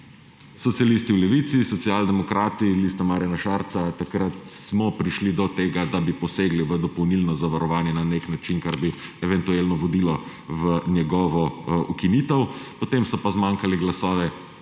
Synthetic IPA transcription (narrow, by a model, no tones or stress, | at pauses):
sɔt̪sijalist̪iwlɛʋit̪sisɔt̪siaːld̪ɛmɔkɾʔaːt̪ilist̪amaːɾjanaʃaːɾt̪sat̪akɾat̪smɔpɾiʃlid̪ɔt̪eːɡad̪abipɔseːɡliʋəd̪ɔpɔwnilnɔzaʋaɾɔʋaːnjɛnaneknat͡ʃinkaɾbiɛʋɛnt̪ueːlnɔʋɔd̪iːlɔ | ʋənjɛɡɔːʋɔukiniːt̪əwpɔt̪emsɔpazmaŋkaliɡlasɔːʋɛ